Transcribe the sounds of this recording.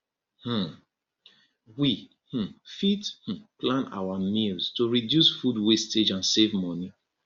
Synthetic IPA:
h̩ | wi | h̩fith̩plãna̰wamilstuɹidjusfudwested͡ʒãnsevmɔni

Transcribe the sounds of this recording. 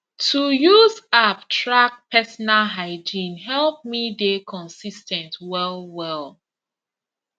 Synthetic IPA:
tʰujuzap̚tʰɹak̚pʰɛsɔnalɦaɪd͡ʒĩnɦɛlp̚midekʰɔ̃nsistɛ̃ntwɛlwɛl

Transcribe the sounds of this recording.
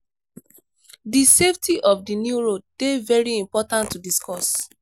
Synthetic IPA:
diseftʰiʔɔfdinjuɹod̚d̥evɛɹiĩmpɔtãntːudiskɔs

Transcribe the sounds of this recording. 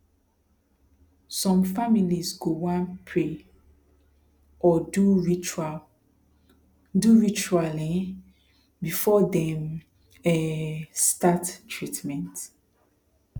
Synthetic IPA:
sɔ̃mfamilizɡowãnpʰɹe | ʔɔduɹit͡ʃa | duɹit͡ʃuali | bifɔdɛ̃m | ɛstattʰɹitmɛ̃nt

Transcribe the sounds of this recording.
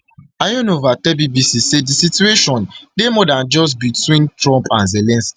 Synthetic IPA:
ajɔ̃novatɛbibisisedisitueʃɔ̃ndemɔdãnd͡ʒɔs̬bitwĩntɹɔ̃mpãnzelɛ̃nsk

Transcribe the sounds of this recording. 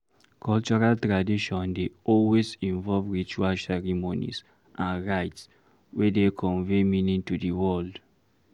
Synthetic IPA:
kʰɔlt͡ʃɔɹaltɹadiʃɔ̃ndeɔlwezĩɱvɔlvɹit͡ʃualsɛɹimonḭs | ʔãnɹaɪts | wɛdekʰɔ̃ɱveminĩŋtudəwɔld

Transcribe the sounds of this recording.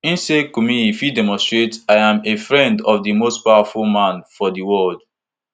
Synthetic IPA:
ĩnsekumĩifjidɛmɔ̃stɹetaɪãmefɹɛ̃ndɔfdimost̚pawafulmãnfɔdiwɔld̥

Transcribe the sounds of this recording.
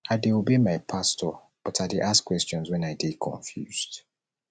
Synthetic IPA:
aɪdeobemaɪpʰastʰɔ | b̥ɔtʰaɪdeʔaskːwɛstɔ̃nzwɛ̃naɪdekʰɔ̰̃ɱfjuz̥d̥

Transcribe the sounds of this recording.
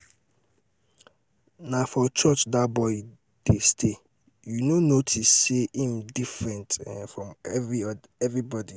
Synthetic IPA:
nafɔt͡ʃɔt͡ʃdabɔɪ | d̥estʰe | junonotʰisːeĩmdifɹɛ̃ntfɹɔ̃mɛi | ɛvɹibɔdi

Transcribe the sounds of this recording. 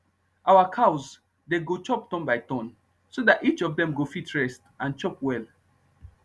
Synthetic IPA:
ʔawakʰaʊs | deɡot͡ʃɔp̚tɔ̃nbaɪtɔ̃n | sodatit͡ʃɔvdɛ̃mɡofitʰɹɛst | ãnt͡ʃɔpwɛl

